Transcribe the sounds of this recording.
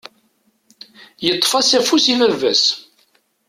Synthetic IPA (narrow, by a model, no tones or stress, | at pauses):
jət̪ˤːfɑsæfusivævːæ̰s